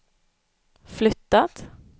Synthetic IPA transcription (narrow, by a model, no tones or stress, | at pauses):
flʏt̪ːat̪